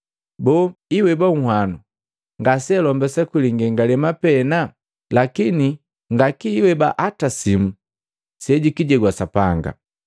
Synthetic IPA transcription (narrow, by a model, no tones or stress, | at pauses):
bɔiwɛbaŋ̩hwanu | ŋɡasɛlɔmbɛsakiliŋɡɛŋɡalɛmapɛna | lakini | ŋɡakiːwɛbaʔatasimu | sɛɟukiɟɛɡwasapaŋɡa̰